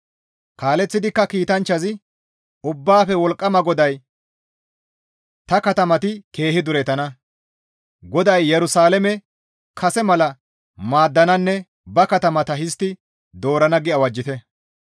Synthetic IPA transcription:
kaːlɛt͡sːɪd̪ɪkːɐkiːt̪ɐnt͡ʃːɐzɪ | ʊbːaːfɛwɔlkʼːɐmɐɡɔd̪ɐj | t̪ɐkɐt̪ɐmɐt̪ɪke̞ːhɪd̪ʊɾɛt̪ɐnɐ | ɡɔd̪ɐjːɛɾʊsaːlɛmɛ | kʰɐsɛmɐlɐ | maːd̪ːɐnɐnːɛ | bɐkɐt̪ɐmɐt̪ɐɦɪst̪ːɪ | d̪o̞ːɾɐnɐɡɪɐwɐd͡ʒːɪt̪ɛ

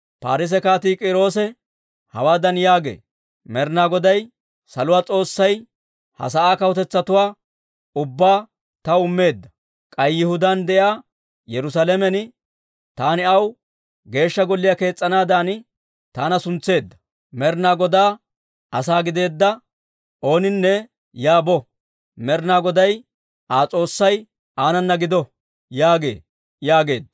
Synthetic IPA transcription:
paːɾɪs̬ɛkaːt̪iːkʼɪɾo̞ːs̬ɛ | hɐ̰waːd̪ɐnjaːɡḛː | mɛɾnaːɡɔd̪ɐj | sɐlʊwaːt͡sʼo̞ːsːɐj | hɐ̰s̬ɐaːkɐwɔt̪ɛt͡sːɐt̪ʊwaː | ʊbːaː | t̪ɐʊmːe̞ːd̪ːɐ | kʼɐjːɪhʊd̪ɐnd̪ɛjaː | jɛɾʊs̬aːlɛmɛnɪ | t̪aːnɪɐw | ɡe̞ːʃːɐɡɔlːɪjɐke̞ːt͡sʼːɐnaːd̪aːn | t̪aːnɐsʊnt͡sːe̞ːd̪ːɐ̥ | mɛɾnaɡɔd̪aː | ɐsaːɡɪd̪e̞ːd̪ːɐ | ʔo̞ːnɪnːɛ | jaːbɔ | mɛɾnaːɡɔd̪ɐj | aːt͡sʼo̞ːsːɐj | ʔaːnɐnːɐɡɪd̪ɔ | jaːɡe̞̰ː | jaːɡe̞ːd̪ːɐ

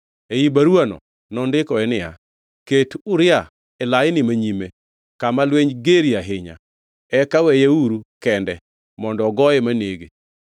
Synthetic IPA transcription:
ejibaɾwanɔ̰ | nɔndɪkɔɛnɪja̰ | ketʊɾɪa | ɛlajɪnɪmaɲime | kamalweɲɡeɾiaɦɪɲa̰ | ɛkawɛjeuɾukɛndɛ | mɔndɔɡɔjɛmaneɡe

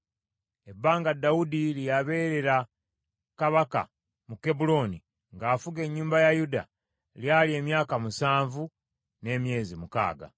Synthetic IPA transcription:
e̞bːaːŋɡadːaudilijaβe̞ːɾe̞ɾa | kaβaka̰ | muke̞bulo̞ːni | ŋɡaːfuɡe̞ɲːuːmbajajuda̰ | ljalje̞ːmjaːkamusaːɱvu | ne̞mje̞ːzimuka̰ːɡa̰

